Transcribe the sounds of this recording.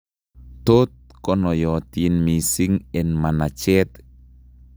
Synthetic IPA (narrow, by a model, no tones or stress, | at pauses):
t̪ot̪̚kɔnɔjɔt̪inmisiŋɛnmanat͡ʃɛt̪